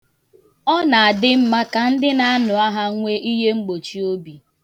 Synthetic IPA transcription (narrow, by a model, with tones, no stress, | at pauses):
ɔ˦na˨a˨dɪ˦m̩˦ma˦ka˨n̩˦dɪ˦na˦a˦nʊ˨a˦ɦa˦ŋʷe˦ʔi˦ɦe˦ŋ͡m̩˦ɡ͡bo˨t͡ʃi˨o˦bi˨